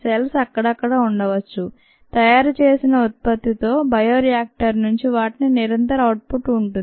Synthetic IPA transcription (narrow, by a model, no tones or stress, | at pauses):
selsɐkːɐɽɐkːɐɽɐuɳɖɐʋɐt͡ʃːu | t̪ɐjaːɾut͡ʃe̞ːsinɐut̪̚pɐt̪ːit̪o̞ːbɐjoːɾijaːk̚ʈɐɾnuɲt͡ʃiʋaːʈininiɾɐnt̪ɐɾɐwʈ̚puʈuɳʈuni